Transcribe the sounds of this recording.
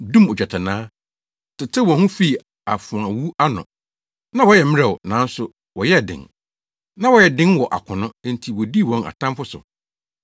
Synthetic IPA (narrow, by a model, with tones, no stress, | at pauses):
dũ˦mo˨d͡ʑᶣa˨tʰa˨nãː˦ | tʰɪ˨tʰɪ˦wɔ̃˨hũ˦fi˦˨ | a˨fʊ̃˨ã˨wu˦a˦nʊ̰̃˨ | nã˦wɔ˦jɛ˨mɪ̃˦ɾɛ˨wnã˨˦n˦sʊ˨ | wɔ˨jɛ˦˨dɪ̰̃˨n | nã˦wɔ˦jɛ˨dɪ̃˦nwɔ˨ʔa̰˨kʰʊ˨nʊ̃˦˨n̩˨tʰi˨wɔ˨di˦˨wɔ̃˦na̰˨tʰã˦mfʊ˦sʊ̰˨